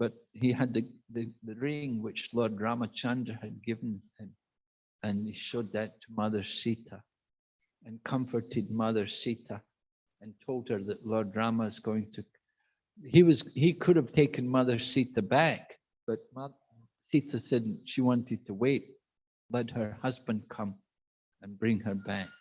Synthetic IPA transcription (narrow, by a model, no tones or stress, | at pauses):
b̥ʌʔ̚hiɨd̪̚ðɨðɨðɨɹɪ̃ŋwɪt͡ʃlˠɔɹdɹamət͡ʃʰãndəɨd̚ɡɪvə̃n̩ɪ̃m | ɨ̃niʃod̪̚ðɨtʰəmʌðə˞sitə | ɨ̃nkʰʌ̃ɱfə˞ʔʰɪd̚mʌðə˞sitə | ə̃ntʰolˠd̚ə˞ðɨʔlɔɹdɹaməzɡoɪ̃ŋtʰɨ | hiwʌzhikʰʉɾəv̥tʰekɨ̃nmʌðə̥˞siθəbæk | b̥ʌʔ̚mʌə | siθəsɛdʃiwɑ̃ntʰɨd̚tʰəweʔ̚ | lˠɛʔ̚hə˞hʌzbə̃nkʰʌ̃m | ə̃nbɹɪ̃ŋə˞bæk̚